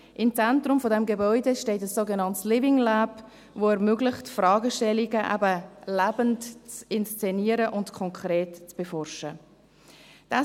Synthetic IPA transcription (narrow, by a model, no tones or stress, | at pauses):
ʔɪmt͡sɛntrʊmfodɛmɡebɔʏdeʃteːtəsːoːɡɛnɑntslɪvɪŋlaːb | voːɛɾmøɡlɪχtfrɑːɡəʃtɛliɡəʔæ̰bəlæbəntt͡sɪnst͡sɛniəɾəʔʊntkʰɔŋkʁeːtt͡sb̥efɔrʃə | d̥ɑ